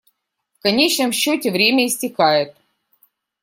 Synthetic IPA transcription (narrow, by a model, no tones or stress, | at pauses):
fkɐnʲet͡ɕnəmɕːotʲɪvɾʲemʲəɪsʲtʲɪkajɪt̪̚